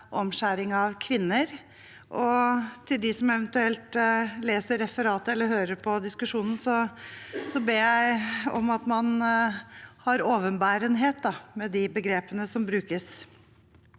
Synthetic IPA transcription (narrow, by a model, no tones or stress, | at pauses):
ʔɔmɕæɾɪŋɑʋkʰʋɪnːəɾ | ʔɔt̪ʰɪld̪ɪsɔmɛʋənt̪ʉɛlt̪leːsəɾɛfəɾɑːt̪əɛlːəɦøːɾəɾpʰɔd̪ɪskʉʂuːnn̩sɔ | sɔbeːjæɪɔ̰mɑt̪mɑn | hɑɾoːʋənbæːɾənɦeːt̪̚d̪ɑmɛd̪ɪbəɡɾeːpənəsɔmbɾʉːkəs